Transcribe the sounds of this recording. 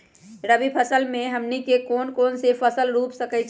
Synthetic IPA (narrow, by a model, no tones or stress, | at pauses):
ɾəbipʰəsəlmẽɦəmnikekoːnkoːnsepʰəsəlɾuːpsəkɛt͡ʃʰ